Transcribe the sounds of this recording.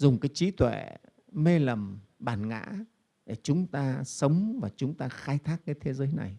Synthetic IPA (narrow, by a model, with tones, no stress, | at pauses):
zʊ˨˩ŋ͡mkaː˨˦jt͡ɕi˨˦t̪wḛ˧˩˨ | me˧lə˨˩mɓaː˧˩nŋa̰ː˧˥ | ɗe˧˩t͡ɕʊ˨˦ŋ͡mt̪aː˧sə˨˦wŋ͡mvaː˨˩t͡ɕʊ˨˦ŋ͡mt̪aː˧xaː˧jt̪ʰaː˦˥k̚kaː˨˦jt̪ʰe˨˦zəː˨˦jna̰˨˩j